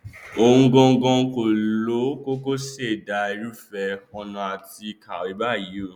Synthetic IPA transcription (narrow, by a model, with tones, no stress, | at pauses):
o˨ũ˧ɡɔ̃˧˦ɡɔ̃˧˦ko˨llo˨˦ko˦ko˦se˦˨da˨˧i˧˦ɾu˦fɛ˧ɔ˧nɔ̃˧a˨ti˧ka˨wi˨˦ba˦˨jĩ˨˦˨